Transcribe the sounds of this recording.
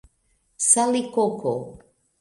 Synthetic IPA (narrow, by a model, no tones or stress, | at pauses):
salikokʰo